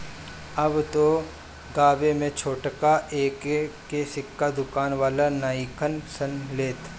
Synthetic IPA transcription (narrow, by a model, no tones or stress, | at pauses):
ɐbt̪o | ɡaːbemẽt͡ʃʰoːʈkaʔeːkː | esɪkːad̪ʊkaːnʋaːlanaːɪkənsənleːt̪ʰ